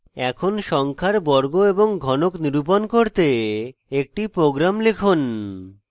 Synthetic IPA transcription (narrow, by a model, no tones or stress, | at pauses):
ɛkʰonʃɔŋkʰaɾbɔɾɡoeboŋɡʱɔnokniɾup̬onkoɾt̪eek̚ʈipɾoɡɾamlekʰon